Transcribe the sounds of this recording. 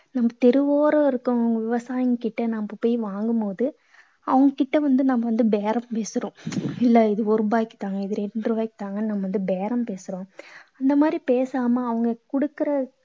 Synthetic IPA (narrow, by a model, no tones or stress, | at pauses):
nɐmːɐt̪ɛɾɯʋoːɾɐɪɾɯkːʊ̃ɐʋɐŋɡɐʋɪʋɐsaːjɐŋkɪʈːɐnambɐpoːjʋaːŋɡɯmpoːðɯ | ɐʋɐŋɡɐkɪʈːɐʋɐnd̪ɯnɐmɐʋɐnd̪ɯbeːɾɐmpeːsɯɾõːɪlːɐɪðɯɔɾɯbaːjɪkːɯ̥t̪aːŋɡɐɪðɯɾɛɳɖrɯbaːjkːɯ̥t̪aːŋɡɐnɐmɐʋɐnd̪ɯbeːɾɐmpeːsɯɾõːɐnd̪ɐmaːd̪ɾipeːsaːmɐːʋɐŋɡɐkʊɽɯkːɯɾɐ